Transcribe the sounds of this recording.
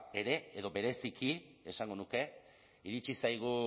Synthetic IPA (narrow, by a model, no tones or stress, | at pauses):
e̞ɾe̞eðo̞be̞ɾe̞sikʰie̞saŋɡo̞nuke̞ | iɾit͡ʃisajɣ̞u